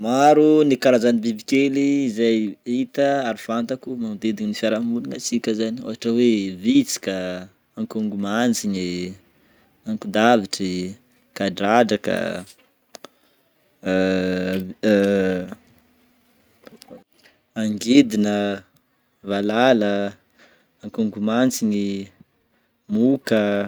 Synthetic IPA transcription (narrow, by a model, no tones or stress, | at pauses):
maɾunikaɾazanibibikeliːzajit̪əaɾufant̪akumamd̪ed̪iɲinifaɾamulinat͡sikʲəzanio̰ɦaʈ͡ʂəwevit͡si̥ka | aŋkuŋɡumand͡ziɲe | aŋkud̪aviʈ͡ʂi | kaɖ͡ʐaɖ͡ʐaka̰ | aŋɡed̪inə | valalə | aŋkuŋɡumant͡siɲi | mukə